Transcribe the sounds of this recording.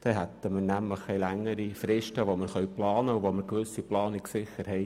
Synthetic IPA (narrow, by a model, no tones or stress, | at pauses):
d̥ɛɦɛt̪əməɾnæmləχːɛjlæŋːəɾifɾɪʃtəʋoməɾχœʊplɑːnəuʋoməɾkʋʏsiplɑːnɪksɪχəɾhɛɪ